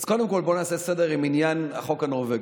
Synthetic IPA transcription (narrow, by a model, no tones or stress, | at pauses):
z̥ko̞demko̞lbo̞naːsesedeʁiminjanaχo̞kanoʁveɡ